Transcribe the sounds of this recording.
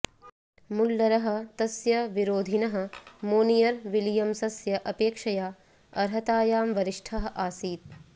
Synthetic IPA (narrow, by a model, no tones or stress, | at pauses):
mulːɐɾɐɦɐ̆t̪ɐsjɐʋiɾoːd̪ʱinɐɦɐ̆moːnijɐɾʋiljɐmsɐsjɐʔɐpeːkʂɐjaː | ɐɾɦɐt̪aːjaːmʋɐɾiʂʈʰɐɦɐ̆ʔaːsiːt̪̚